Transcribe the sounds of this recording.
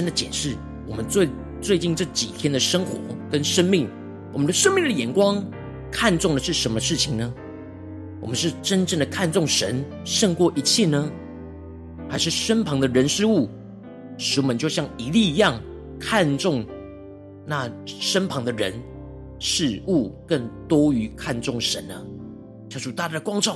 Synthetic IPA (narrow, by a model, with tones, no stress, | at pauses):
ə˥nd̪ə˨t͡ɕjɛ˨˩nʂɻ̩˥˩ | wɔ˨˩mə˦nt͡swe˥˩ | t͡swe˥˧ɪt͡ɕi˥˧nʈ͡ʂɤ˥˩t͡ɕi˨˩t̪ʰjɛ˥nd̪ə˨ʂə˥ŋxwɔ̰˧˥˦kə˦˥nʂə˥nmi˥˩ŋ | wɔ˨˩mə˦nd̪ə˧ʂə˥ŋmi˥˩ŋd̪ə˩jɛ˨˥˩nkwɑ˥ŋ | kʰa˥˧nt͡sʊ˥˩ŋd̪ə˩ʂɻ̩˥˩ʂə˧˥nmə˧ʂɻ̩˥˩t͡ɕʰi˨˩ŋnə˦ | wɔ̰˨˩mə˦nʂɻ̩˥˩ʈ͡ʂə˥nʈ͡ʂə˥˩ŋd̪ə˩kʰa˥˧nt͡sʊ˥˩ŋʂə̰˧˦n | ʂɤ˥˧ŋkwɔ˥˩ʔi˧˥t͡ɕʰjɛ˥˩nə˩ | xa˧˥ɪʂɻ̩˥˩ʂə˥npʰɑ˧˥ŋd̪ə˧ɻə˧˥nʂɻ̩˥˧u˥˩ | ʂɻ̩˧˥wɔ˨˩mə˦nt͡ɕjo˥˧ʊɕjɑ˥˩ŋi˧˥li˥˧˥jɑ˥˨˩ŋ | kʰa˥˧nʈ͡ʂʊ˥˧ŋ | na˥˩ʂə˥npʰɑ˧˥ŋd̪ə˨ɻə̰˧˦n | ʂɻ̩˥˧u˥˩kə˥˩nt̪wɔ˥y˧˥kʰa˥˧nt͡sʊ˥˩ŋʂə̰˧˦nə˧ | t͡ɕʰjɑ˥˩ʈ͡ʂu˨˩t̪a˥˧˩la˥˩ə˩kwɑ˥ŋʈ͡ʂɑ˥˩˨ʊ